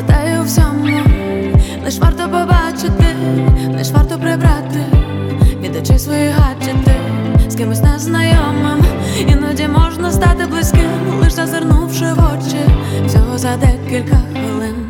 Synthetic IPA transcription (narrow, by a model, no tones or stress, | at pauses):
t̪ajwsʲɔmu | lˠɛʂʋart̪ɔpɔbat͡ʃɪt̪ɪlˠɛ̰ʂʋart̪ɔpɾɪbɾat̪ɪ | vʲid̪ʊt͡ʃɪjsʋɔjiɦat͡ʃɪt̪ɪskʲɪmɨsʲnɛznɐjɔmɪm | inʊdʲɛmɔʐnɐs̬t̪at̪ɪblˠɨsʲkʲɪmlˠɪʂzɐzɪrnuwʂɪvɔt͡ʃɪw̥sʲɔɦɔzɐd̪ɛkʲilʲkɐxʋɪlˠɪn